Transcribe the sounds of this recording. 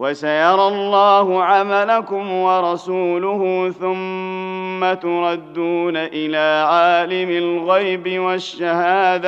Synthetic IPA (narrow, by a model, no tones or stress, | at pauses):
wasajɑɾˤɑlˤːɑːhʊʕamalakʊmwɑɾˤɑsuːlʊhʊθʊmː | at̪ʊɾˤɑd̪ːuːnaʔɪlaːʕaːlɪmɪlɣajbɪwaʃːahaːd̪a